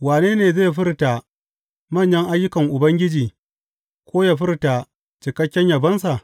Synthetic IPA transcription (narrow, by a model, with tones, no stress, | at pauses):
waː˨neː˦neː˨zeː˦˨ɸɪ˦rta˨ | mɐ˦˨ɲjɐ˦ŋʔa˦jːʊ˦kɐ˨ŋʔʊ˨bɐ˦ŋɡʲɪ˦d͡ʒiː˨ | kʷʰoː˦ja˨ɸɪ˦rta˨ | t͡ʃɪ˨kɐ˦kʲːɛ˦ɲjɐ˨bɐ˦nsa˨ʔ